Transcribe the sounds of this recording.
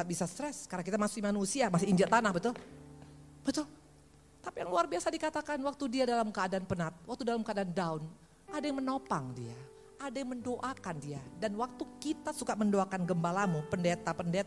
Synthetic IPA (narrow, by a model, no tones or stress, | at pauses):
at̪̚bisast̪ɾɛskarnakit̪amasʊkimanusiamasɪiɲd͡ʒalt̪anahbət̪ʊl | bət̪ʊl | t̪apijaŋluarbiasadikat̪akanwak̚t̪udiadalamkəadanpənat̪̚wak̚t̪udalamkadandaun | adajaŋmənopaŋdia | adajaŋməndoʔakandiadanwak̚t̪ukit̪asukaməndoakanɡəmbalamupəndet̪apənde